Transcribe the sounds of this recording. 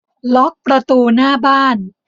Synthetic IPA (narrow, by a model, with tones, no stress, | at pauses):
lɔ˦˥k̚pɾa˧t̪uː˧naː˥˩baː˥˩n